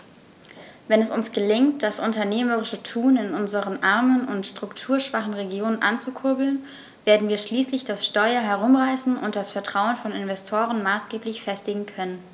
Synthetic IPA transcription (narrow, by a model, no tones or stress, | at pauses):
vɛnɛsʊnsɡ̥əlɪŋtd̥asʔʊntɐneːməʁɪʃətʰuːnɪnʔʊnzəʁənʔaɐmənʊntʃtʁ̥ʊktʰuːɐʃv̥aχn̩ʁeɡjoːnənʔa̰nt͡sukʰʊɐbl̩n | veːɐdn̩viːɐʃliːslɪçd̥asʃtɔʏɐɦɛʁʊmʁaɪsn̩ʊ̰ntd̥asfɛɐtʁ̥aʊənfɔnɪnvɛstʰoːʁ̞ənmaːsɡ̥eːplɪçfɛstɪɡŋ̩kʰœnən